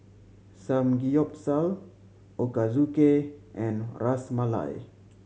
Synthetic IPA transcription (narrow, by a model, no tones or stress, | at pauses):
sãmɡijɔp̚sal | ʔokazukeʔɛ̃nrasmala̰j